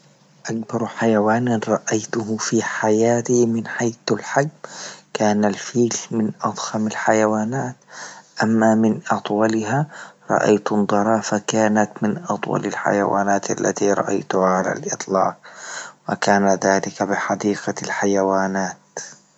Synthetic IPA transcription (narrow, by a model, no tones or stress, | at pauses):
ʔakbɑɾˤħajawaːnɾˤɑʔajt̪ʊhfiːħajaːt̪imɪnħajθalħaɡ̚mkaːnalfiːlmɪnʔɑd̪ˤhamalħajawaːnaːt̪ʔamːamɪnʔɑt̪ˤwɑlɪhaɾˤɑ̰ʔa̰jt̪nd̪ˤɑɾˤɑːfakaːnat̪mɪnʔɑt̪ˤwɑ̰lalħa̰jawa̰ːnaːt̪ʔa̰lːa̰t̪iɾˤɑ̰ʔa̰jt̪ʊhaʕala̰lʔɪt̪ˤlɑ̰ːqwakaːnaðaːlɪkabɪħad̪iːqalħajawaːnaːt̪